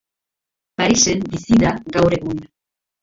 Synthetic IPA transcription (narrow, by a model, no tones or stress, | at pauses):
paɾise̞mbisiðaɡawɾe̞ɣun